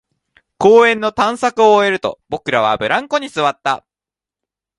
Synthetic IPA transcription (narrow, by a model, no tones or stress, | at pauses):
koːẽ̞nːo̞t̪ãɰ̃sakɯ̟oːe̞ɾɯ̟t̪o̞̰b̥o̞kɯ̟ɾaβ̞a̰bɯ̟ɾãŋko̞ɲ̟isɨβat̪ːa